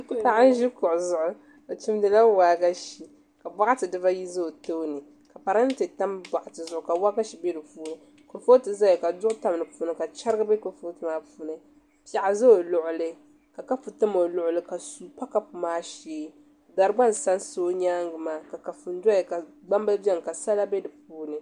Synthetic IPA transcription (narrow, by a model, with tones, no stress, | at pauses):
pa˨a˦n˦ʒi˦kʊ˨ʔʊ˨zʊ˨ʔʊ˦ | o˨t͡ʃi˦m˦dɨ˨la˦waː˨ɡa˦ʃi˨ | ka˨ba˦ʔa˦tɨ˨dɨ˦ba˦ji˦za˦o˨to˦nɨ˨ | ka˨pa˨ɾa˦n˦tɨ˨ta˦mba˨ʔa˨tɨ˨zʊ˨ʔʊ˨ka˨wa˦ɡa˦ʃi˨be˦dɨ˨fuː˦ɾɨ˦ | ko˨fo˦tɨ˨za˦jɛ˨ka˨dʊ˦ʔʊ˦ta˨m˨nɨ˨puː˦nɨ˦ka˨t͡ʃa˦ɾɨ˦ɡɨ˦bɛ˦ko˨fo˦tɨ˨maː˦puː˦nɨ˦ | pa˨ʔa˨za˦o˨lʊ˨ʔʊ˨lɨ˦ | ka˨ka˦pu˨tɨ˦mo˨lʊ˨ʔʊ˨lɨ˦ka˨su˨pa˦ka˦pu˨maː˦ʃeː˦ | da˨ɾɨ˨ɡ͡ba˦n˨sa˦n˦so˦o˦ɲaː˦ŋɡɨ˨maː˦ka˨ka˨fu˨n˦da˦ɛ˨ka˨ɡ͡ba˦mba˦bjɛ˦ŋ˨ka˨sa˦la˦bɛ˦dɨ˨puː˦nɨ˨